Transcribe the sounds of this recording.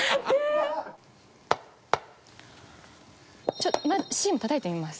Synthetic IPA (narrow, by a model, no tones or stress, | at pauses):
e | t͡ɕot̪maɕĩːmot̪at̪aet̪eimasɨ̥